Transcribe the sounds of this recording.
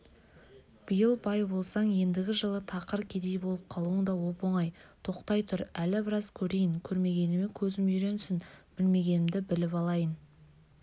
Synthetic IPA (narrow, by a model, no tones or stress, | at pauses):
b̥əjəlˠbɑjbo̞lˠsɑɴje̞nd̪ɪɡʲɪʒəlˠət̪ʰɑqəɾkʲʰe̞d̪e̞jbo̞lˠəp̚qʰɑlˠuəɴd̪ɑwo̞po̞ɴɑjt̪ʰo̞qt̪ɑjt̪ʰʊɾælɪbɪɾɑzkʲʰɵɾe̞jɪŋkʲʰɵɾme̞ɡʲe̞nɪme̞kʲʰɵzɪmʏjɾe̞nsɪnb̥ɪlme̞ɡʲe̞nɪmd̪ɪbɪlɪpɑlˠɑjən